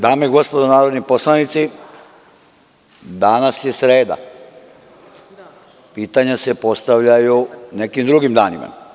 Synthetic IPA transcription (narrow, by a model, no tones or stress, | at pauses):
d̪aːmeiɡo̞spo̞d̪onaːɾo̞d̪nipo̞slˠanit̪si | d̪aːnasje̞sɾe̞ːd̪a̰ | piːt̪aɲase̞po̞st̪aʋʎajune̞kimd̪ɾuɡimd̪aːnima̰